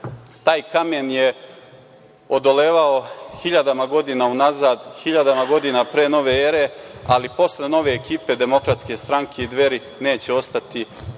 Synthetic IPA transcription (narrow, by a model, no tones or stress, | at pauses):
t̪aːjkamenje | od̪o̞le̞ːʋao̞xiʎad̪amaɡo̞d̪inaunazaːd̪hiʎad̪amaɡo̞d̪inapɾeːno̞ʋe̞eɾe̞alipo̞sle̞no̞ʋe̞ːkiːpe̞d̪e̞mo̞kɾat̪ske̞st̪ɾaŋkʰe̞id̪ʋe̞ɾi | ne̞ːt͡ɕeo̞st̪at̪i